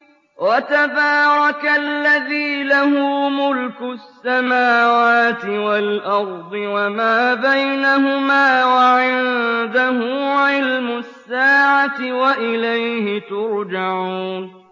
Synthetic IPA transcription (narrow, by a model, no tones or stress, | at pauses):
wʔat̪abaːɾˤɑkalːaðiːlahʊmʊlkʊsːamaːwaːt̪ɪwalʔɑɾˤd̪ˤɨwamaːbajnaɦʊmaːwaʕɪnd̪aɦʊʕɪlmʊsːaːʕat̪ɪwaʔɪlajhɪt̪ʊɾd͡ʒaʕuːn